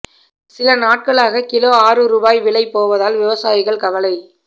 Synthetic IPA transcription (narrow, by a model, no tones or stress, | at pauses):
sɪlɐnaːʈ̚kɐɭaːɣɐkɪloːaːrɯɾuːbaːjʋɪɭɐɪpoːʋɐðaːlʋɪʋɐsaːjɪɣɐɭkɐʋɐlɐɪ